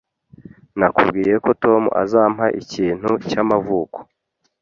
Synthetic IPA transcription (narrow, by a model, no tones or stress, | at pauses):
nakṵbɡiːje̞ko̞to̞mṵʔa̰zaːm̥haʔiciːn̥hucamavuːko̥